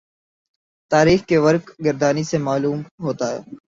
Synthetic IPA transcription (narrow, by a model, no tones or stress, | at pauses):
t̪aːɾiːxkeʋɐɾkɡɐɾd̪aːnisemaːluːmɦoːt̪aɦɛ̰ː